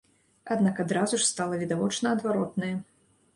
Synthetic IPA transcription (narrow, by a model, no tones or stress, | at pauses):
ad̪nakad̪ɾazuʂst̪alˠɐvʲid̪avɔt͡ʂnɐɐd̪vaɾɔt̪nɐjɐ